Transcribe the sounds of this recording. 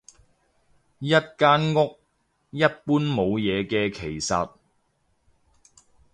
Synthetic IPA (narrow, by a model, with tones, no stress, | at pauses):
jɐ˥t̚kaː˥nŋʊ˥k̚ | jɐ˥t̚puː˥nmo˨˧wjɛː˨˧kɛː˧kʰe˨˩jsɐ˨t̚